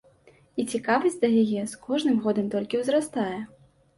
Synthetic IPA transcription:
it͡sʲikavɐsʲtʲd̪ɐjajɛskʰɔʐnɨmɣɔd̪ɐmt̪ɔlʲkʲiwzɾast̪ajɛ

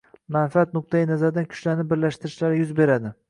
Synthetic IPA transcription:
manfiat̪̚nʊq̚t̪ʰajɪnazaɾd̪ankʰʊ̥t͡ʃlaɾnɪbɪɾlaʃt̪ɪɾɪʃlaɾɪjʊzbe̞ɾad̪ɪ

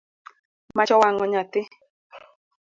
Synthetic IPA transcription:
mat͡ʃɔwaŋɔɲat̪ɪ

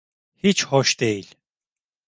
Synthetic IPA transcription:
hit͡ʃhɔʃd̪ejilʲ

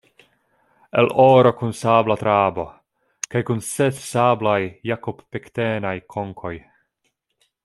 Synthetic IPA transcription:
ḛloɾo̞kunsablat̪ɾabo̞̰ | kajkunsetsablajːakopːekt̪enajkʰoŋkʰo̞j

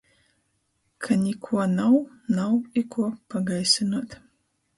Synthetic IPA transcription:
kʰɐnikʷʰɐnaw | nawikʰʷːpʰɐɡajsɨnɐt̪ʰ

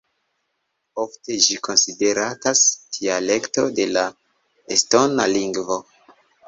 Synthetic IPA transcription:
ofte̞d͡ʒiko̞nside̞ɾatastʰiale̞kto̞de̞la | esto̞naliŋɡvo̞

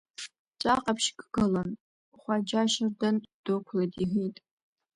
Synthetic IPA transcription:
t͡ʃʷʼaqʼapʰʃɡʼɨɡɐlɐn | χʷɑd͡ʒaʃɪrdɐnd̥okʷʰlɐdiɦitʼ

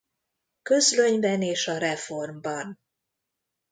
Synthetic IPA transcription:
kø̞zløɲbɛneːʃɒɾɛfo̞rmbɒn

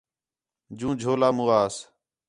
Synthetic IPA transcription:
d͡ʒũːd͡ʒʱoːlaːmũːaːs

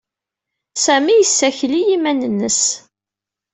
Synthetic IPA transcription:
sæmijəsːæçlijimænənːəs

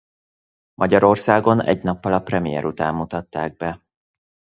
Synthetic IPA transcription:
mʔɒɟɒɾo̞rsaːɡo̞nɛ̰ɟnɒpːɒlɒprɛmijɛ̰ɾʔut̪aːmːut̪ɒt̪ːaːɡ̚bɛ

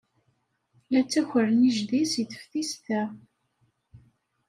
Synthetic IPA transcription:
læt͡sːæçəɾəniʒðisjθə̥fθist̪æ

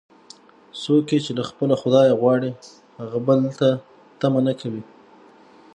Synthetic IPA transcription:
soket͡ʃelaxpəlaxʊd̪ɑjaɣwɑɽi | haɣabəlt̪a | t̪amanakʰawi

